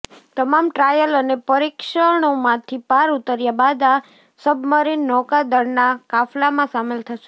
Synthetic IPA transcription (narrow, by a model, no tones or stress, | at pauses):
t̪əmamʈɾajələnepəɾikʃəɳ̃omãt̪ʰipaɾut̪əɾjabad̪a | səbməɾinːɔkad̪əɾnakaflamãsamelt̪ʰəʃe